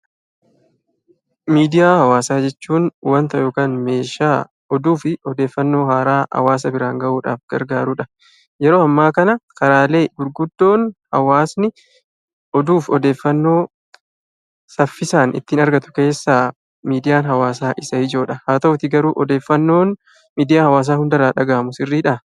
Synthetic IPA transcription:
miːd̪ɪjaːhɐwaːsaːd͡ʒɛt͡ʃːuːnwɐnt̪ɐjo̞ːkaːnme̞ːʃaː | ɔd̪uːfɪʔɔd̪e̞ːfːɐnːo̞ːhaːɾaːhɐ̰waːs̬ɐbɪɾaːŋɡɐʔuːᶑa̰ːfɡ̥ɐ̰ɾɡaːɾuːᶑɐ | jɛɾo̞ːɐmːaːkɐnɐkɐɾaːle̞ːɡʊɾɡʊd̪ːo̞ːnhɐ̰waːsnɪ | ɔd̪uːfɔd̪e̞ːfːɐnːo̞ː | sɐfːɪsaːnʔɪ̰t̪ːiːnɐɾɡɐt̪ʊ̥ke̞ːsːaː | miːd̪ɪjaːnɦɐwaːsaːʔɪsɐhɪd͡ʒo̞ːᶑɐhaːt̪ɐʊt̪ɪɡɐɾuːʔɔd̪e̞ːfːɐnːo̞ːn | miːd̪ɪjaːhɐwaːs̬aːhʊnd̪ɐɾaːᶑɐɡaːmʊsɪrːiːᶑɐ

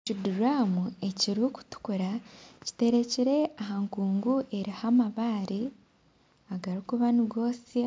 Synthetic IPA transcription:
t͡ʃuduɾaːmue̞ciɾuku̥tu̥kuɾaci̥te̞ɾe̞ciɾe̞aɦaŋkuːŋɡuʔe̞ɾihamaβaːɾi | aɡaɾikuβaniɡo̞ːsi

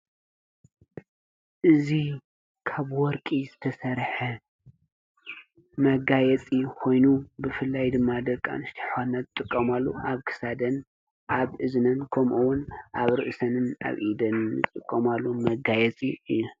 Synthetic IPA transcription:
ʔɨzi | kʰaβwɔɾkʼizɨt̪ʰɐsɐɾħɐ | mɐɡajɛt͡sʼikʰo̞jnubɨfɨlːajd̪ɨmːad̪ɐkʼːa̰nɨʃt̪ʰi̥ħanːɐt̪̚t̪ʼɨkʼːɐmalːuʔaβkʰɨ̥sad̪ɐn | ʔaβɨznɐnkʰɐmʔuwʊnʔaβɾɨʔsɐnɨna̰βʔid̪ɐnːɨt̪ʼɨkʼːɐmalːumɐɡajɛt͡sʼiɨjːu

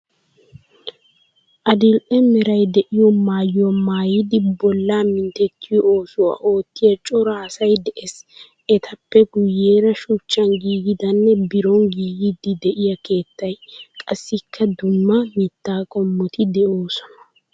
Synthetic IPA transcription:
ʔɐd̪ɪlʔɛmɛɾɐjd̪ɛʔɪjɔmaːjɔmaːjɪd̪ɪbɔlːaːmɪnt̪ɛt̪ːɪjɔoːsʊwa̰ːʔo̞ːt̪ːɪjɐt͡ʃʼɔɾaːsɐjd̪ɛʔes | ɛt̪ʰɐpːɛɡʊjːe̞ːɾɐʃʊt͡ʃːɐnɡiːɡɪd̪ɐnːɛbɪɾɔŋɡiːɡɪd̪ɪd̪ɛʔɪjɐke̞ːt̪ːɐjkʼɐsːɪkʰːɐd̪ʊmːɐmɪt̪ːaːkʼɔmːɔt̪ɪd̪ɛoːsɔnɐ̥

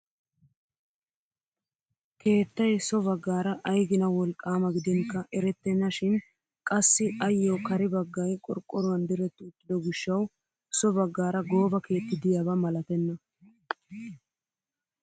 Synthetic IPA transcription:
kʰe̞ːt̪ːɐjsɔbɐɡːaːɾɐʔɐjɡɪnɐwɔlkʼːaːmɐɡɪd̪ɛŋkːɐʔɛɾɛt̪ːɛnːɐʃɪn | kʼɐsːɪʔɐjːoːkɐɾɪbɐɡːɐjkʼɔ̰ɾkʼːɔɾʊɐnd̪ɪɾɛt̪ːʊːt̪ːɪd̪ɔɡɪʃːɐw | sɔbɐɡːaːɾɐɡo̞ːbɐke̞ːt̪ːɪd̪ɪjabɐmɐlɐt̪ɛnːɐ

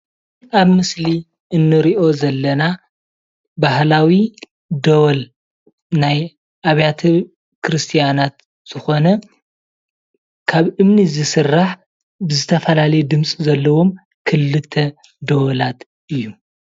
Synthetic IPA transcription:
ʔaβmɨsli | ʔɨnːɨɾiʔo̞zɐlːɐna | baɦlawi | d̪owɐl | naj | ʔaβjat̪ʰɐ | kʰɾɨst̪ʰijanat̪ | z̥ɨxo̞nɐ | kʰaβʔɨmnizɨsɨrːaħ | bɨzɨt̪ʰɐfɐlalɐjud̪ɨmsʼizɐlːɐwo̞m | kʰɨlːɨt̪ʰːɐ | d̪owɐlat̪ | ʔɨjːu

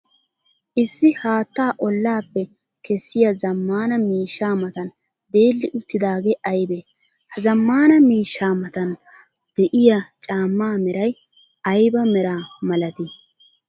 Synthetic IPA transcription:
ʔɪsːɪhaːt̪ːaːʔɔlːaːpːɛ | kɛsːɪjɐzɐmːaːnɐmiːʃːaːmɐt̪ɐn | d̪e̞ːlːɪʔʊt̪ːɪd̪aːɡeːʔɐjbeː | hɐzɐmːaːnɐmiːʃːaːmɐt̪ɐn | d̪̥ɛʔɪjat͡ʃʼaːmːaːmɛɾɐj | ɐjbɐmɛɾaːmɐlɐt̪ɪ

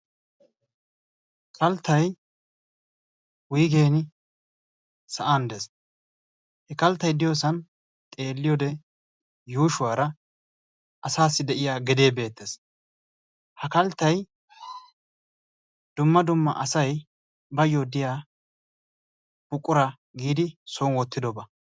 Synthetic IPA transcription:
kʰɐlt̪ːɐj | wʊjɡe̞ːnɪ | sɐʔaːnd̪ɛs | hɛkɐlt̪ːɐjd̪ɪjosɐn | t̪ʼe̞ːlːɪjod̪ɛ | juːʃʊwaːɾɐ | ʔɐsaːsːɪd̪ɛʔɪjaːɡɛd̪eːbe̞ːt̪ːes | hɐkɐlt̪ːɐj | d̪̥ʊmːɐd̪ʊmːɐ̰ʔɐsɐj | bɐjːɔd̪ɪjaː | b̥ʊkʼːʊɾɐ | ɡiːd̪ɪsoːnwɔt̪ːɪd̪ɔbɐ

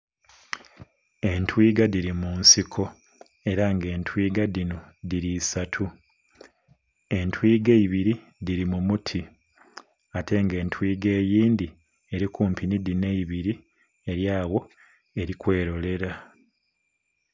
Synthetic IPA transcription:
e̞ntwiːɡadiɾimunsikʰo̞ | e̞ɾaŋɡe̞ːntwiːɡadinodiɾiːsatʰu | e̞ntwiːɡe̞iβiɾi | diɾimumutʰi | atʰe̞ŋɡe̞ːntʰwiːɡe̞ːjiːndi | e̞ɾikuːmpʰinidineiβiɾi | e̞ɾjaːwo̞ | e̞ɾikwe̞ːɾo̞le̞ɾa

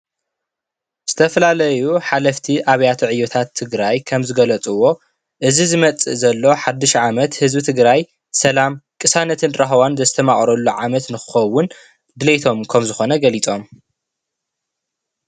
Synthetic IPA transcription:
z̥ɨt̪ʰɐfɐlalɐjuħalɐft̪ʰiʔaβɐjat̪ʰiʕɨjot̪ʰat̪ʰːɨɡɾajkʰɐmzɨɡɐlɐt͡sʼuwo̞ | ʔɨzizɨmɐt͡sʼɨ̰zɐlːo̞ħad̪ːɨʃʕamɐt̪hɨzbɨt̪ʰɨɡɾaj | sɐlamkʼɨsanɐt̪ʰɨnɾɐxɐwanzɐst̪ʰɐmaχʼɾɐlːuʕamɐt̪nɨxɨ̥xɐwːʊn | d̪ɨlet̪ʰo̞mkʰɐmzɨxo̞nɐɡɐlit͡sʼo̞m

